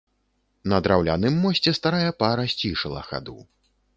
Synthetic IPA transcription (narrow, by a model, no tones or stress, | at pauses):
nɐd̪ɾawlʲa̰nɨmːɔsʲt͡sʲɛst̪aɾajɛpaɾɐsʲt͡sʲiʂɐlˠɐ̰xa̰d̪ṵ